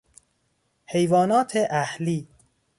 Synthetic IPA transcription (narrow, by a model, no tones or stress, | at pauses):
hejvɒːnɒːt̪ʰeʔæhliː